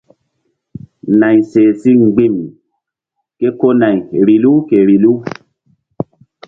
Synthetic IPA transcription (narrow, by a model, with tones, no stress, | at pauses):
na˨jseː˨si˦ŋ˨ɡ͡bi˦˨m | ke˦ko˦na˨jɾi˨lu˦ke˨ɾi˨lu˦